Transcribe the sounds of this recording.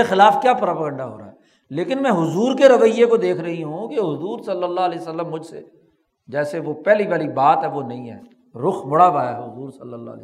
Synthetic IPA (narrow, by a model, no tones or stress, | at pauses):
exɪlaːfkjaːpɾapəɡə̃ɳɖaɦo̰ːɾa̰ːɦɛː | leːkɪnmɛ̃ɦʊzuːɾkeɾɐʋəɪjːekod̪eːkʰɾɐɦiɦũkeɦʊzuːɾsɐlːəlːalɛːsəlːəmːʊd͡ʒʱsḛ | d͡ʒɛːseʋopɛːliʋaːlibaːt̪ɦɛ̃ʋonɐɦĩɦɛ̰ː | ɾʊxmʊɽabaːaɦʊzuːɾsɐlːəlːa̰ːl̰ː